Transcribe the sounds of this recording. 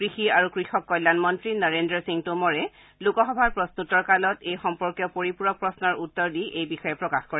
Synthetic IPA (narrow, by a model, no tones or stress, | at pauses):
kɹixiaɹukɹixɔkːɔjlːanmɔntɹinɔɹendɹɔsiŋtumɔɹɛ | lukɔxɔbʱaɹpɹɔstutɔɹkalɔtejxɔmpɔɹkjɔpoɹipuɹɔpɹɔsnɔɹutːɔɹdiʔejbixɔjɛpɹɔkaxkɔɹɛ